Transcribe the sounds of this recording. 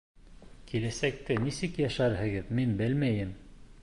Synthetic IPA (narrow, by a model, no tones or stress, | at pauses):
kʰilæsæk̚t̪ɘnisɘkjæʃæɾhɘ̆ɡɘðminbɘlmæjɘm